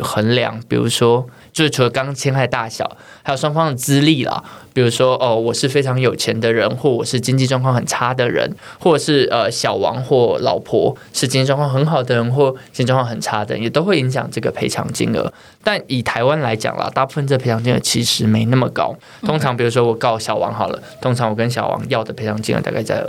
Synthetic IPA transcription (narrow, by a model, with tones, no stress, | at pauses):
xə˧˥nljɑ̰˧˥ŋpi˨˩ɻṵ˧˥ʂwɔ˥t͡ɕjo˥˧ʊʂɻ̩˥˩ʈ͡ʂʰu˧˥lə˧˦kɑ˥ŋt͡ɕʰɛ˥nxa˥˧ɪt̪a˥˩ɕjɑ̰˨˩ʊ | a˧˥ɪjo˨˩ʂwɑ˥ŋfɑ˥ŋd̪ə˨˩t͡sɹ̩˥li˥˩lə̰˩pi˨˩ɻu˧˥ʂwɔ˥ʔə˧wɔ˨˩ʂɻ̩˥˩fe˥ɪʈ͡ʂʰɑ˧˥ŋjo˨˩ʊt͡ɕʰjɛ˧˥nd̪ə˧ɻə˧˥nxwɔ˥˩wɔ˨˩ʂɻ̩˥˩t͡ɕi˥ŋt͡ɕi˥˧ʈ͡ʂwŋkʰɑ˥˩ŋxə˨˩nʈ͡ʂʰa˥d̪ə˨ɻə̰˧˥n | xwɔ˥˩˨ʂɻ̩˥˩ə˩ɕjɑ˨˩ʊwɑ̰˧˥ŋxwɔ˥˩lɑ̰˨˩ʊpʰɔ˧˥ʂɻ̩˥˩t͡ɕĩ˥nt͡ɕi˥˧ʈ͡ʂwɑ˥˧ŋkʰxə˧˦˥nxɑ˨˩ʊd̪ə˦ɻə˧˦nxwɔ˥˩i˥˧ʈ͡ʂwŋkʰɑ˥˩ŋxə˨˩nʈ͡ʂʰa˥d̪ə̰˨jɛ˨˩t̪o˥ʊxwe˥˩ɪi˧˥ŋɕ̬jɑ̰˨˩ŋʈ͡ʂɤ˥˩ɡə˩pʰe˧˥ɪʈ͡ʂʰɑ̰˧˥ŋt͡ɕḭ˥ŋə̰˧˩ | t̪a˥˩ni˨˩t̪ʰa˧˥ɪwa˥nla˧˥ɪt͡ɕjɑ̰˨˩ŋlə̰˨˦t̪a˥˧pu˥˩fə˥˧nʈ͡ʂə˥˩pʰe˧˥˧ŋt͡ɕi˥˩ŋə̰˧˩t͡ɕʰi˧˥ʂɻ̩˧˥me˧˥ɪna˥˩mə˩kɑ̰˥ʊ | t̪ʰo˥ŋʈ͡ʂʰɑ˧˥ŋp̬i˨˩u˧˥ʂwɔ˥wɔ˨˩kɑ˥˩ʊɕjɑ˨˩ʊwɑ̰˧˥ŋxɑ˨˩ʊlə̰˦t̪ʰo˥ŋʈ͡ʂʰɑ˧˥ŋwɔ˨˩kə˦nɕ̬jɑ˨˩ʊwɑ̰˧˥ŋjɑ˥˩ʊd̪ə˩pʰe˧˥ɪʈ͡ʂʰɑ˧˥ŋt͡ɕḭ˥ŋə̰˧˩t̪a̰˥˧ka˥˧ɪt͡sa˥˩ɪ